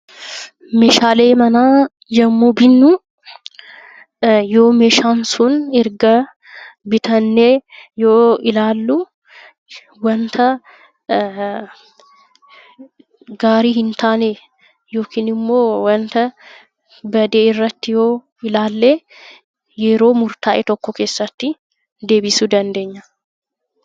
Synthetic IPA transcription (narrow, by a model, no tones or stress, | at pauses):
meʃaːleːmɐnaː | jɐmːubɪnːʊ | joːmeːʃansʊnɪɾɡɐ | bɪt̪ɐnːejoːɪlaːlːʊ | wɐnt̪ʰɐ | ɡaːɾiɦɪnt̪aːne | jo̞ːkiːnɪmːo̞ːwɐnt̪ɐ | bɐd̪eːɪrːɐt̪ːɪjo̞ː | ɪlaːlːeː | jɛɾo̞ːmʊɾt̪aːʔɛt̪ɔkːɔke̞ːsːɐt̪ːɪ | d̪e̞ːbɪsʊd̪ɐnd̪e̞ːɲːɐ